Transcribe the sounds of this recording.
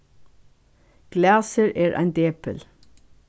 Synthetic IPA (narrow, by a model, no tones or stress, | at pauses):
ɡ̥læːsəɹʔeːɹʔæ̰ɪnd̪eːpəl